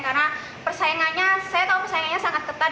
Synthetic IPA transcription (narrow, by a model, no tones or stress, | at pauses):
kana | pərsaaŋaɲasajat̪aupərsaaŋaɲasaŋat̪̚kət̪a